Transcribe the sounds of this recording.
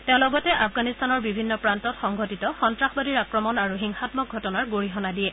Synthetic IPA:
tẽʊ̃lɔɡɔtɛʔafɡanistanɔɹbibʱinːɔpɹantɔtxɔŋɡʱɔtitɔxɔntɹaxbadiɹakɹɔmɔnaɹuxiŋxatmɔk̚ɡʱɔtɔnaɹɡoɹiɦɔnadiɛ

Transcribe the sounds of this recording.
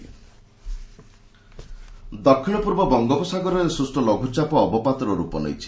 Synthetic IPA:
d̪ɔkʰːiɽ̃ɔpuɾbɔbɔŋɡɔpɔsaɡɔɾɔɾesɾusʈɔlɔɡʱut͡ʃapɔːbɔpat̪ɾɔɾupɔ̰nɔ̰jt͡ʃʰi̥

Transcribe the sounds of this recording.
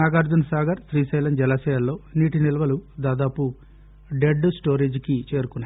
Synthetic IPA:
aːɡaːɾd͡ʒunsaːɡɐɾsɾiːsɐjlɐnd͡ʒɛlɐsɛːjɐlːo̞ːniːʈinilɐʋɐlud̪aːd̪aːpu | ɖeɖsʈoːɾeːd͡ʒkit͡ʃe̞ːɾukunːa

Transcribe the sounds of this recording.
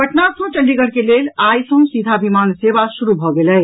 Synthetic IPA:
bʱəʈnasə̃w̃t͡ʃəlɖiɡəɾkelelajsə̃ɦsid̪ʱabimansebasuɾubʱɔɡelɛ

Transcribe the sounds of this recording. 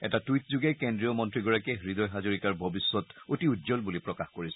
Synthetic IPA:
ɛ̰tatujt̚zuɡɛkendɹijɔmɔntɹiɡɔɹakɛɦɹid̪ɔjɦazoɹikaɹbʱɔbisːɔtotiudzɔlbulipɹɔkaxkoɹisɛ

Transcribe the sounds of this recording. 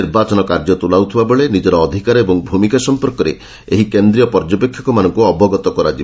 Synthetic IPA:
iɾbat͡ʃɔnɔkaɾd͡ʒɔt̪ulawt̪ʰibabɔɭenid͡ʒɔɾɔːd̪ʱikaɾebɔŋbʱumikasɔmpɔɾkɔɾḛ | eɦikend̪ɾijɔpɔɾd͡ʒɔpekʰːjɔkɔmanɔŋkuɔbɔɡɔt̪ɔkɔɾad͡ʒi

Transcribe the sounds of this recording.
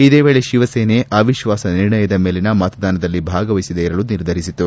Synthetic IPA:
id̪eːʋe̞ːɭeʃiʋɐseːneːʔʔaːʋiʃʋaːsɐniɾɳɐjɐd̪ɐme̞ːlenɐmɐt̪ɐd̪aːnɐd̪ɐlːibʱaːɡɐʋɐjisid̪eiɾɐluniɾd̪ʱɐɾisit̪ːu

